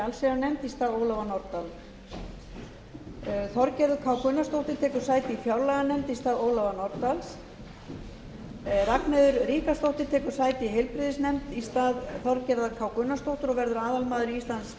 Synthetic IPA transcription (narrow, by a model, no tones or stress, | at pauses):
alsɛɣaɾnɛmt̪ist̪aːðoːwlɔvanɔɾt̪al | θɔɾcɛɾðʏkʰawkʏnːast̪owht̪ɪɾ̥t̪ʰɛːkʏ̥saːjt̪ɪifjawɾlɛɣanɛmt̪ist̪aːðoːwlɔvanɔɾt̪als | raknɛðʏɾriːkast̪owht̪ɪɾ̥t̪ʰɛːkʏɾ̥saːjt̪ɪiɦɛjlpɾɪðɪsnɛmt̪ist̪aːðθɔɾcɛɾðakʰaːwkʏnːast̪owht̪ʏɾɔvɛɾðʏɾaːðalmaːðʏɾiist̪lans